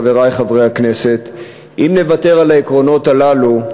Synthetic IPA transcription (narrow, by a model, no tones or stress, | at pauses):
ve̞ʁajχavʁejhakne̞se̞t̪ | ʔimne̞vate̞ʁalaikʁo̞no̞talalu